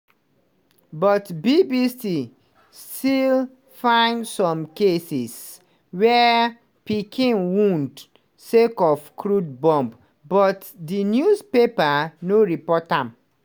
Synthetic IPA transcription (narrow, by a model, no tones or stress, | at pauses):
bɔtbibisi | stil | fãɪndsɔ̃mkesis | wɛ | pikʰĩnwũnd | sekɔfkʰɹud̚bɔ̃mb | bɔt | dinjuspepanoɹipɔtãm